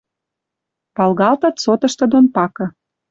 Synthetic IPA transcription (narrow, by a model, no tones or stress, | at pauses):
pɑlɣɑlt̪ɤ̆t̪sot̪ɤ̆ʃt̪ɤ̆d̪onpɑkɤ̆